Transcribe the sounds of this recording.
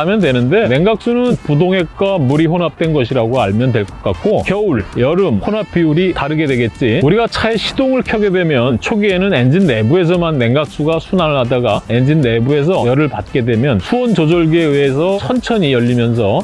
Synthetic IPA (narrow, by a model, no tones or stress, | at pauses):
amjʌndwe̞nɯnde̞ne̞ŋɡak̚s͈unɯnpudoŋe̞k̚k͈wamuɾiɸonap̚t͈we̞nɡʌɕ̬ʰiɾaɡoaɭmjʌndwe̞ɭk͈ʌk͈ak͈̚okjʌuɭjʌɾɯmhonɦapʰiuɾitaɾɯɡe̞dwe̞ɡe̞t̚t͡ɕ͈iuɾiɡat͡ɕʰae̞ɕʰidoŋɯɭkʰjʌɡe̞dwe̞mjʌnt͡ɕʰoɡie̞nɯne̞nd͡ʑinːe̞bue̞s̬ʰʌmanːe̞ŋɡak̚s͈uɡasʰunaɭɦadaɡae̞nd͡ʑinːe̞bue̞s̬ʰʌjʌɾɯɭpat̚k͈e̞dwe̞mjʌnsʰuʌnt͡ɕod͡ʑʌɭɡieeesʰʌsʰʌnt͡ɕʰʌɲijʌʎːimjʌnsʰʌ